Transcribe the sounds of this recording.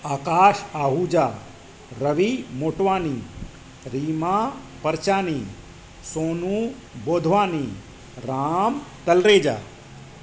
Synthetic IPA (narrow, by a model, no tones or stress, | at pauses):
aːkaːʃaːɦuːd͡ʒaː | ɾɐʋimoːʈʋaːni | ɾiːma | pɐɾt͡ʃaːniː | soːnuː | boːd̪ʱʋaːni | ɾaːmt̪ɐlɾeːd͡ʒa̰ː